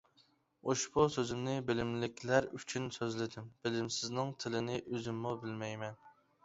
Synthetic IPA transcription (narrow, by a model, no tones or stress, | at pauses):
oʃbusøzɪmnɪbɪlɪmlɪkʲlæɾyt͡ʃʰynsøzlɪd̪ɪmb̥ɪlɪmsɪznɪŋt̪ʰɪlɪnɪʔøzɪmːubɪlmɛjmɛn